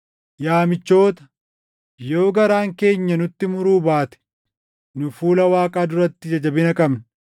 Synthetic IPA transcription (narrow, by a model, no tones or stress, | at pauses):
jaːmɪt͡ʃːo̞ːt̪ɐ̥ | jo̞ːɡɐɾaːŋke̞ːɲːɐnʊt̪ːɪmʊɾuːbaːt̪ɛ̥ | nʊfuːlɐwaːkʼaːd̪ʊɾɐt̪ːɪd͡ʒɐd͡ʒɐbɪnɐkʼɐbn